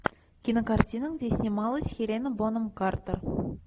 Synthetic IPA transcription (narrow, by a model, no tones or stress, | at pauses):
kʲinokart̪ʲinəŋd̪ʲesʲnʲimɑlˠisʲxʲeɾʲenəbonəmkart̪or